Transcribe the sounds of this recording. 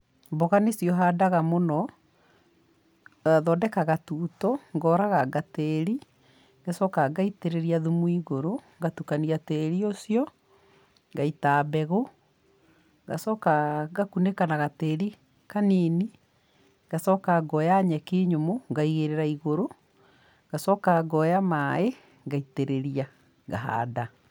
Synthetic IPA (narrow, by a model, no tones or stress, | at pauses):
mboɣanesjɔɦaːdaɣamonɔ | aðɔːdɛkaɣatuːtɔŋɡɔːɾaɣaɡatɛɾi | ŋɡesɔkaɡaiteɾeɾiaðumuiɣoɾoŋɡatukaniatɛɾiosjɔ | ŋɡaitaːbɛɣo | ɡa̰sɔːkaɡakunekanaɣateɾi | kanini | ɡasɔkaɡɔjaɲɛkiɲomoŋɡaiɣeɾeɾaiɣoɾo | ɡ̥asɔːkaɡɔjamae | ɡaiteɾeɾia | ɡa̰ɦa̰da